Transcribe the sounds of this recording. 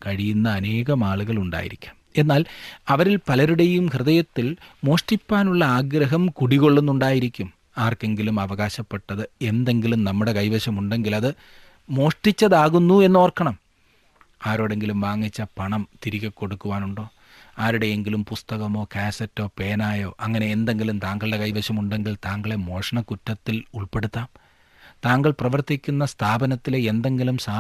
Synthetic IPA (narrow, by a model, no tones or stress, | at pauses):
kɐɻijunːɐːne̞ːɣɐmaːɭuɣɐɭuɳɖa̰ːjḭɾikʲːume̞nːaːlɐʋɐɾilpɐlɐɾuɽe̞jumhrɨðɐjɐt̪ːilmo̞ːʂʈipːaːnuɭːɐaːɡɾɐɦɐmkuɽiɣo̞ɭːunːuɳɖaːjiɾikʲːum | aːrke̞ŋɡilumɐʋɐɣaːɕɐpːe̞ʈːɐðɨe̞nd̪e̞ŋɡilumnɐmːuɽe̞kɐjʋɐɕɐmuɳɖe̞ŋɡilɐðɨ | mo̞ːʂʈit͡ɕːɐðaːɣunːue̞nːo̞ːrkːɐɳɐm | aːɾo̞ːɽe̞ŋɡilumʋaːŋːit͡ɕːɐpɐɳɐmt̪iɾiɣʲɐkːo̞ɽukːuʋaːnuɳɖo̞ː | aːɾuɽe̞eŋɡilumpust̪ɐɣɐmo̞ːkaːsɐtːo̞ːpe̞ːnaːjo̞ːʔɐŋːɐne̞ːnd̪e̞ŋɡilumt̪aːŋɡɐɭɨɽe̞kɐjʋɐɕɐmuɳɖe̞ŋɡilt̪aːŋɡɐɭemo̞ːʂɐɳɐkutːɐt̪ːiluɭpe̞ɽut̪ːaːm | t̪aːŋɡɐɭprɐʋɐrt̪ikʲːunːɐst̪ʰaːbɐnɐt̪ːileend̪e̞ŋɡilumsaː